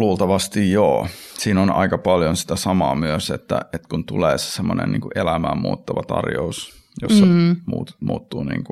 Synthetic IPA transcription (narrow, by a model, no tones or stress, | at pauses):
luːlt̪ɑʋɑst̪ijjo̰ːsiːnonɑ̰ikɑpɑljonsi̥t̪æsɑmɑːmyøset̪ːæ̰et̪kunt̪uleːse̥semːonḛnnḭːŋkuʔelæmæːmmṵːt̪ːɑʋɑt̪ɑ̰rjo̰us | josːɑmuːt̪mṵːt̪ːuːnḭːŋku